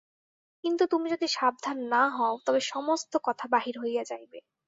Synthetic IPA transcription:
kint̪ut̪umid͡ʑod̪iʃab̚d̪ʱanːaɦɔot̪ɔbeʃɔmost̪okɔt̪ʰabaɦiɾɦojad͡ʑajbe

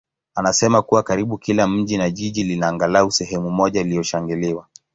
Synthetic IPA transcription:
anasɛmakuwakaɾiɓukilam̩ʄinaʄiʄilinaːŋɡalausɛɦɛmumɔʄailijɔʃaŋɡiliwa

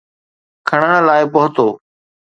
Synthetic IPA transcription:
kʰəɽ̃əɽ̃laːɪpʊɦʊt̪oː

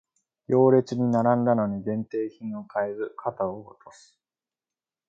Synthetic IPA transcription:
jo̞ːɾe̞t͡sɨɲ̟inaɾãnd̪ano̞ɲ̟iɡẽ̞nt̪e̞ːçĩɰ̃o̞kʰaeɾɯ̟kʰat̪aoɡot̪ʰo̞sɨ̥

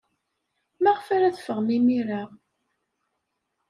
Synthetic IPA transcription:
mæʁfæɾæθfəʁmimiɾaʁ

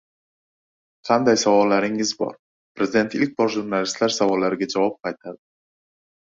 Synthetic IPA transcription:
qʰɑnd̪ajsavɒlːaɾɪŋɪzbɒ̰ɾ | pɾezɪd̪e̞nt̪ɪlk̚ʲbɒɾʒuɾnalist̪laɾsavɒlːaɾɪɡʲad͡ʒavɒp̚qʰɑjt̪ʰad̪ɪ

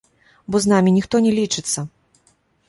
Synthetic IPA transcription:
bɔznamʲinʲixt̪ɔnʲɛlʲit͡ʂɨt̪sːɐ

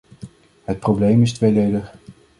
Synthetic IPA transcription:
ɦət̚prowblejmɪstʋejdejdəχ

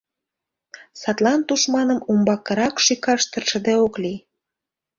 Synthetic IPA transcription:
sɑt̪lɑnt̪uʃmɑnəmumbɑkːə̆ɾɑkʃikɑʃt̪ərʃə̆d̪eokli

